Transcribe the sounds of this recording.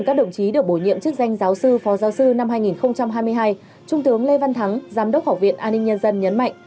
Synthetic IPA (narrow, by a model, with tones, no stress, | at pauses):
kaː˦˥k̚ɗə̰˧˨wŋ͡mt͡ɕi˨˦ɗɨ˨˩ək̚ɓo˧˩jɲḭ˧˨əmt͡ɕɨ˦˥ək̚za˧jŋ̟zaː˨˦wsɨ˧fɔ˨˦zaː˨˦wsɨ˧na˧mhɦaː˧jŋi˨˩nxə˧wŋ͡mt͡ɕa˧mɦaː˧jmɨ˧əjɦaː˧j | t͡ɕʊ˧ŋ͡mt̪ɨ˨˦əŋle˧va˧nt̪ʰa˨˦ŋzaː˨˦mɗə˦˥k͡p̚faː˧˩wvḭ˧˨ənʔaː˧nːï˧ŋ̟ɲə˧nzə˧nɲə˨˦nma̰˧˨jŋ̟